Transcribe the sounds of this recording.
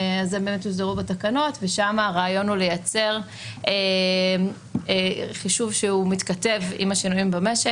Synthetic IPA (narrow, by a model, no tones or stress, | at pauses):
azembemet̪uzeʁubatakano̞tveʃamaːʁaːjo̞nulejat͡se̞ʁ | e | χiʃuvʃeumit̪kate̞vḭmaʃinuimbameʃe